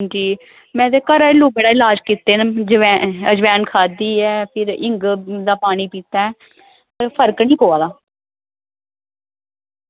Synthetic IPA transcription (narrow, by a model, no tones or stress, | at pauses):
d͡ʒiː | mɛ̃ːt̪eːkəɾaːeluːbeɽaːɪlaːd͡ʒkiːt̪ːeːnd͡ʒəɛːəd͡ʒʋɛːnkʰaːd̪iːɛːpʰɪɾɪŋɡd̪aːpaːɽ̃iːpiːt̪aːɛː | pəɾpʰəɾknĩːkoːaːd̪aː